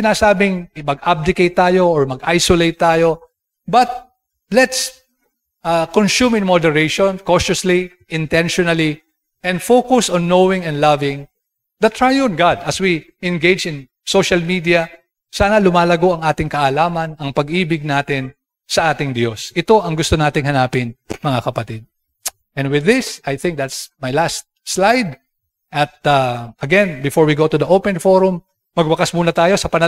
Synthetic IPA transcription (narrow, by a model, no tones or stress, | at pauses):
ɪnaːsaːbɪŋɪmɐɡ̚ʔab̚d̪ɪkejt̪ːaːjo̞ːɹmɐɡʔajsolejt̪ːaːjo̞ | bɐt̪̚ | lɛt̪s | ʔɐkonsumɪ̃nmod̪ɛɹejʃɔnkoʃɐsli | ʔɪ̃nt̪ɛ̃nʃɔnɐli | ʔɛ̃nd̪fokʊsɔ̃nːowɪŋɛ̃nd̪lavɪ̃ŋ | d̪ɐt̪ɹajɔ̃nɡad̪ʔɐswi | ɛ̃nɡejd͡ʒɪ̃n | soʃɐlmid̪iɐ | saːnɐlʊmaːlɐɡo̞ʔɐŋaːt̪ɪŋkɐʔːlaːmɐnɐŋpɐɡiːbɪɡ̚naːt̪ɪn | sɐʔaːt̪ɪŋd̪jo̞sʔɪt̪o̞ʔɐŋɡʊst̪onaːt̪ɪŋɦɐnaːpɪnmɐŋakɐpɐt̪ɪd̪̚ | ʔɛ̃nwɪðːɪsajθɪ̃ŋk̚d̪at̪smɐjlast̪̚slajd̪ | ʔɐt̪̚ɐʔɐɡɛ̃nbɪfɔɹwiɡot̪ʊðɐʔowpɛ̃nfoɹʊmː | ɐɡ̚bɐkasmuːnɐt̪aːjo̞sɐpɐnɐ